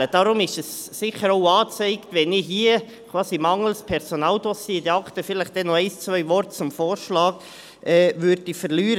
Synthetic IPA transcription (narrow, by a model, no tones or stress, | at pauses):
əd̥ɑɾʊmɪʃɛsːɪχəɾoʊɑːt͡sɛɪktʋɛnɪɦiə | kʰvɑːsimɑŋəl̩spʰɛɾsonɑːld̥ɔsjedɛɑktəfɪlɪχd̥ɛnɔɛɪst͡svœʏvɔɾtt͡sʊmfoːɾʃlɑːɡ | ɛːvʏɾdifəɾlyːɾə